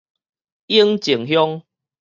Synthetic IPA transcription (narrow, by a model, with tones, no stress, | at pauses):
i˦ŋt͡ɕi˨˩ŋɦjɔ˦ŋ